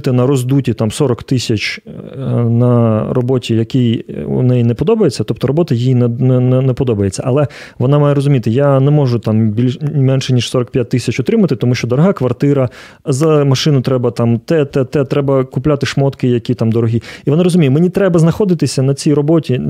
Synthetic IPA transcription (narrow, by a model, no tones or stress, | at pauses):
t̪ɪnɐɾɔzd̪utʲit̪amsɔɾɔkt̪ɪsʲɐt͡ʃ | nɐrɔbɔtʲijɐkijṵnɛjinɛpɔd̪ɔbɐjet͡sʲːɐt̪ɔp̚t̪ɔɾɔbɔt̪ɐjijinɛnɛnɛnɛpɔd̪ɔbɐjet͡sʲːɐ̰ʔɐ̰lˠɛ | ʋɔnɑmajɛɾɔzʊmʲit̪ɪjanɛmɔʒʊt̪ambʲilʲmɛnʃɛnʲiʃsɔɾɐk̚pʲjat̚ʲt̪ːɪsʲɐt͡ʃɔt̪ɾɪmɐt̪ɪt̪ɔmuʃt͡ʃɔd̪ɔɾɔɦɑkʋɐrt̪ɪɾɐ | zɐmɐʃɪnʊt̪ɾɛbɐt̪amt̪ɛt̪ɛt̪ɛt̪ɾɛbɐkʊplʲat̪ɪʂmɔt̪kɪjɐkʲit̪amd̪ɔɾɔɦʲiiʋɔnɑɾɔzʊmʲijɛmenʲit̪ɾɛbɐznɐxɔd̪ɪt̪ɪsʲɐnɐt͡sʲijɾɔbɔtʲi